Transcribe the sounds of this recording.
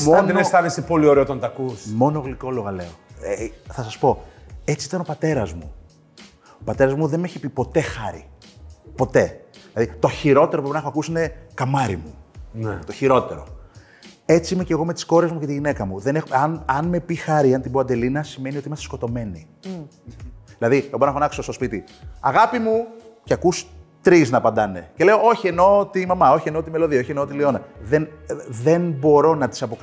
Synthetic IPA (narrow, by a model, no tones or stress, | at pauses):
mmonnest̪ɐðisepo̞lioɾeot̪ont̪ɐkusmo̞noɣliko̞loɣɐle̞oeθɐsɐspo̞e̞t͡siit̪ɐno̞pɐt̪e̞ɾɐzmṵ | opɐt̪e̞ɾɐzmuðe̞nmeçipipo̞t̪e̞xɐɾḭpo̞t̪e̞ðilɐðit̪o̞çiɾo̞t̪eɾopɾeinexoɐkusiine̞kɐmɐɾimunet̪o̞çiɾo̞t̪e̞ɾo̞̰ | e̞t͡siimece̞ɣo̞me̞t̪i̥sko̞ɾe̞zmuceiʝine̞kɐmuðe̞nexɐnɐnme̞pixɐɾiɐnt̪iboɐnd̪e̞linɐsime̞nio̞t̪imɐst̪esko̞t̪o̞me̞ni | ðilɐðiebɾnɐxonɐksost̪o̞spit̪i | ɐɣɐpimuceɐkust̪ɾiznɐpɐnd̪ɐne̞̰ce̞le̞oo̞çie̞no̞t̪imɐmɐo̞çie̞no̞t̪ime̞lo̞ðiɐo̞çieno̞t̪ilio̞nɐðenðenbo̞ɾo̞nɐt̪i̥sɐpo̞k